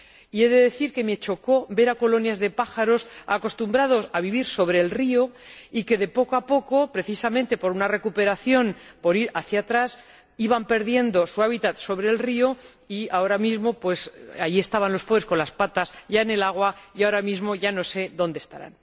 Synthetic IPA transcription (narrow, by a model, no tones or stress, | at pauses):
ie̞ðe̞ðe̞θiɾke̞met͡ʃo̞ko̞be̞ɾako̞lo̞njazðe̞paxaɾo̞sa̰ko̞st̪umbɾað̞o̞saβiβiɾso̞βɾe̞ːlrio̞ike̞ðe̞po̞koapo̞ko̞pɾe̞θisamẽ̞nt̪e̞po̞ɾunare̞kupe̞ɾaθjo̞npo̞ɾiɾaθjat̪ɾas | iβampe̞ɾðje̞nd̪o̞suaβ̞it̪at̪so̞βɾe̞ːlrio̞ | iao̞ɾamizmo̞pwe̞sa̰jie̞st̪aβanlo̞spoðɾe̞sko̞nlaspat̪asʝaene̞laɣ̞waiao̞ɾamizmo̞ʝano̞se̞ðo̞nd̪e̥st̪a̰ɾa̰n